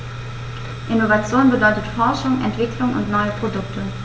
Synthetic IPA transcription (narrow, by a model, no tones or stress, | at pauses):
ʔɪnovat͡sjoːnbədɔʏtətfɔɐʃʊŋʔɛ̰ntv̥ɪklʊŋʊ̰ntnɔʏəpʁ̥odʊktʰə